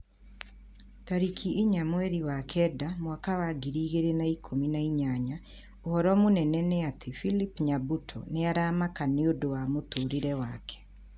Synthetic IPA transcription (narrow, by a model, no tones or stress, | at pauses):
taɾikʰieɲamwɛɾiwakʰɛːdamwakawaɡiɾiːɣeɾenaikʰominaiɲaɲa | ohɔɾɔmonɛnɛnɛatʰefilipɲabutʰɔ̰neaɾaːmakaneodowamotoːɾiɾɛwaːkʰɛ̥